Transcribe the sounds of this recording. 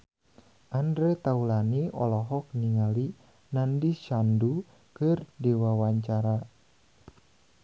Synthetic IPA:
ʔandɾɛt̪aulaniɔ̰lɔɦɔk̚niŋali | nandiʃandu | kɨrdiwawaɲt͡ʃaɾa

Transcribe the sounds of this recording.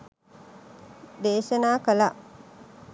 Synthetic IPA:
d̪eːʃɐnaːkɐlaʔ

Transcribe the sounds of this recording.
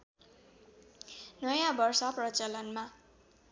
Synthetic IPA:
nʌjãbʌrsʌprʌt͡sʌlʌnma

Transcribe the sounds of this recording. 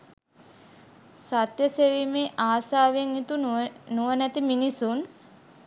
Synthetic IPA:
sat̪jəseʋimeːʔaːsaːʋeŋit̪unuʋənæt̪iminisun

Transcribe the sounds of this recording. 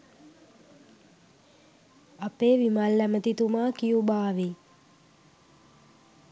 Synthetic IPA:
apeːʋimalːæmət̪it̪umaːkijubaːʋi

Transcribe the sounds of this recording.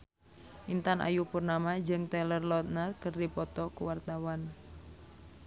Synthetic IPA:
ʔint̪anʔa̰jupurnamad͡ʒɨŋt̪ɛlərlɔt̪̚nərkərdipɔt̪ɔkuwart̪awan

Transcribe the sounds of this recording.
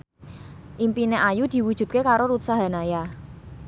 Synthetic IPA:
ʔimpineʔajud̪̥i̤wud̥ʒ̥ṳt̪̚kekaɾoɾut̪saɦa̤naja

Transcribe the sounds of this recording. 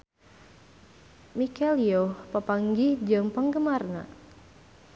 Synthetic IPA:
mikɛliopəpaŋɡihd͡ʒɨŋpəŋɡəmarna̰

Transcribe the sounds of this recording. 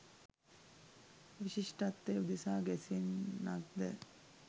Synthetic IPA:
ʋiɕiʂʈat̪ːeud̪isaːɡɛsinna̰ɡ̚d̪ə

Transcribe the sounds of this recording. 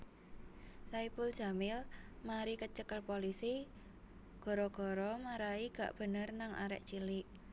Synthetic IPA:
saipʊl̥ʒ̥a̤mɪlmaɾikət͡ʃəkəlpolisi | ɡ̥ɔ̤ɾɔɡ̥ɔ̤ɾɔmaɾaiɡ̥a̤̰ʔb̥ə̤nərnaŋʔa̰ɾɛ̰ʔt͡ʃilɪʔ̚

